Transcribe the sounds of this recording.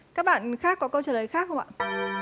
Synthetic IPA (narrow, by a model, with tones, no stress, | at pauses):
kaː˦˥k̚ɓa̰ː˧˨nxaː˦˥kːɔ˨˦kə˧wt͡ɕəː˧˩ləː˨˦jxaː˦˥k̚hə˧wŋ͡mʔa̰ː˧˩